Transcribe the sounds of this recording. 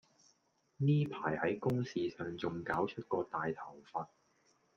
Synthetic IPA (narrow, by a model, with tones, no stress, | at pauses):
niː˥pʰaː˨˩jhɐ˨˥jkʊ˥ŋsiː˨˧sœː˨˩ŋt͡sʊ˨ŋkaː˨˥wt͡ʃʰɵ˥t̚kɔː˧t̪aː˨jt̪ʰɐ˨˩wfaː˧t̚